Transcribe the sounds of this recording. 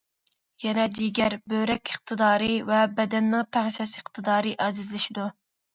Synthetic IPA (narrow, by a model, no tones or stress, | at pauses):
jɛnɛd̪iɡʲæɾbøɾɛkʲʰəχ̚t̪ʰɨd̪ɑːɾɨvɛbɛd̪ɛnːɪŋt̪ʰæʁʃɛsəqt̪ʰɨd̪ɑːɾɨʔɑzɪzlɪʃid̪u